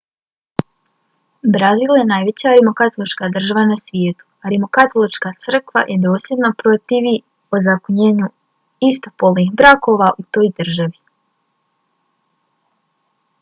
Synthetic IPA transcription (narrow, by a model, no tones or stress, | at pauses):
bɾaziːlje̞najʋe̞t͡ɕaɾimokat̪o̞lit͡ʃkad̪r̩ʒaʋanasʋje̞ːt̪u̥aɾimo̞kat̪o̞lit͡ʃkat̪sr̩kʋa̰jʔe̞d̪o̞ːsjed̪napɾo̞t̪iʋi | ozakoɲe̞ːɲu | ist̪o̞po̞lˠnixbɾako̞ʋaʔut̪o̞ːjd̪r̩ʒaʋi